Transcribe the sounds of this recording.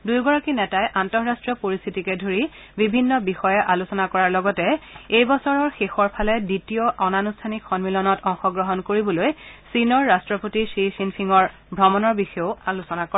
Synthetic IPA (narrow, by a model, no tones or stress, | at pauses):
dujɡɔɹakinɛtajʔantɔɹɹastɹɔpoɹist̪ʰitikɛdʱoɹi | bibʱinːɔbixɔjɛʔalusɔnakɔɹaɹlɔɡɔtɛejbɔsɔɹɔɹxexɔɹpʰalɛditijɔʔɔnanustʰanikʰxɔnmilɔnɔtɔŋxɔɡɹɔɦɔnkoɹibɔlojsinɔɹːastɹɔpotisisinpʰiŋɔɹ | bʱɹɔmɔnɔɹbixɔjoʊalusɔnakɔɛ